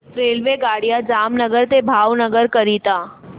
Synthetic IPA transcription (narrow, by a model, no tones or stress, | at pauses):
ɾeːlʋeɡaːɽijad͡ʒaːmnəɡəɾt̪ebʱaːʋnəɡəɾkɐɾit̪aː